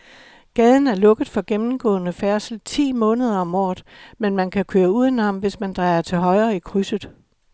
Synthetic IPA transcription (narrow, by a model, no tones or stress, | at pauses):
ɡ̥ɛːð̞ˠn̩æɐlɔ̽ɡ̥ð̞̩ˠfɒ̽ɡ̥emm̩ɡ̥ɔ̰̽ːnəfæɐsl̩t͡sʰḭːmɔ̽ːnəð̞ˠɐɒ̽mɒ̰ːðˠmenmænkʰækʰøːɐuð̞̰ˠenɑ̈mʋe̝smænd̥ʁɑ̈ɪɐt͡sʰe̝lɦɒ̽ɪʁɐːikʰʁysəð̩ˠ